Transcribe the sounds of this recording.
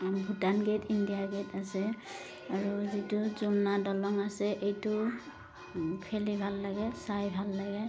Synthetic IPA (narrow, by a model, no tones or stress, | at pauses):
ɡʱutanɡetindijaɡetasɛ | aɹuzituzunadɔlɔŋasɛʔejtʊ | pʰelibʱalːaɡɛsajbʱalːaɡɛ